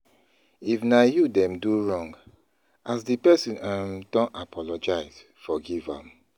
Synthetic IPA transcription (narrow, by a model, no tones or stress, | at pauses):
ifnajudɛ̃mduɹɔ̃ŋɡ | asdipɛsĩnãmdɔ̃napʰɔlɔd͡ʒaɪz | fɔɡivã̰m